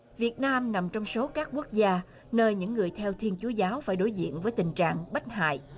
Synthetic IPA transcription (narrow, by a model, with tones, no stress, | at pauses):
vi˨˩ət̚naː˧mna˨˩mt͡ɕɔ˧wŋ͡mso˨˦kaː˦˥k̚ku˦˥ək̚zaː˧ | nəː˧jɲɨ̰˧˥ŋːɨ˨˩əjt̪ʰɛ˧wt̪ʰi˧ənt͡ɕu˨˦əzaː˨˦wfaː˧˩jɗo˨˦jzḭ˧˨ənvəː˨˦jt̪ï˨˩ŋ̟t͡ɕa̰ː˧˨ŋɓa˦˥t̟̚ɦa̰ː˧˨jʔ